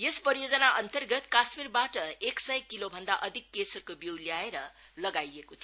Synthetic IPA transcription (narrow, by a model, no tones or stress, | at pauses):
jespʌɾijod͡zʌnaʔʌnt̪ʌrɡʌt̪kasmirbaʈʌeksʌjkːilobʱʌnd̪aʔʌd̪ʱikːesʌrkobiwljaeɾʌ | lʌɡajekot͡sʰ